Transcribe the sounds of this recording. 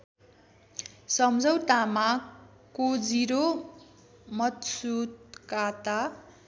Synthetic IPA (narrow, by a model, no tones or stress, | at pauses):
sʌmd͡zʱʌwt̪ama | kod͡ziɾo | mʌt̪sut̪̚kat̪a